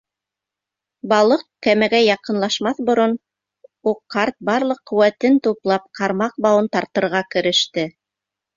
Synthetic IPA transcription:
bɑlˠɤq̚kæmæɡæjɑqɤ̆nlˠɑʃmɑθbŏɾon | uqːɑɾt̪̚bɑɾlˠɤqːɵ̆wæt̪ɘnt̪uplˠɑp̚qʰɑɾmɑq̚bɑwɤnt̪ɑɾt̪ɤ̆ɾʁɑkɘ̆ɾɘ̆ʃt̪ɘ

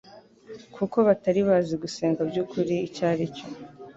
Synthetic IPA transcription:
kʰuko̞βataɾiβaːziɡuse̞ːŋɡabɟukʰuɾiːcaːɾico

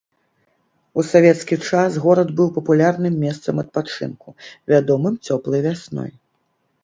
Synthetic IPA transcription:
usavʲɛt̪skʲit͡ʂasɣɔɾɐd̪bɨwpɐpulʲarnɨmːʲɛst̪sɐmɐt̪̚pat͡ʂɨ̰nkuvʲad̪ɔmɨmt͡sʲɔplˠɐjvʲasnɔ̰j

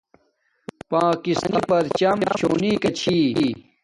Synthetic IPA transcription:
paːkisnipɐɾt͡ɕamet͡ɕʰoːniːkɐt͡ɕʰiː

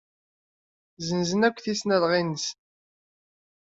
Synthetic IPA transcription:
zənzənækʷːθisnælʁinəs

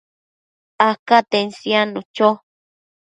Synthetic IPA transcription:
akat̪ensjanut͡ʃo

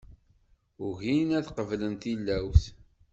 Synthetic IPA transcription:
ʊʝinæθqəvlənt̪ilːæwθ

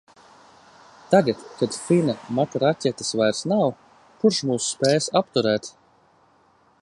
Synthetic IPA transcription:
t̪aɡat̪kad̪finamat̪aɾacʲɛt̪ɨ̥svajɾsnaw | puɾʃmuːsːpʲɛːjsap̚t̪uɾɛːt̪

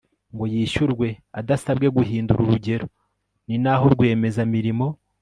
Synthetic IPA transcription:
ŋɡo̞jiːʃuɾɡwe̞adasabɡe̞ɡuɦiːnduɾuɾuɟe̞ɾo̞ | ninaɦo̞ɾɡwe̞ːme̞zamiɾimo̞

